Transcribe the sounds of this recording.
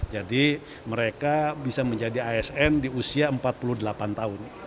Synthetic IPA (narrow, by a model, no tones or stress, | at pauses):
d͡ʒadi | məɾekabisaməɲd͡ʒadiaɛsɛndiusiaəmpat̪̚puludəlapant̪aʊn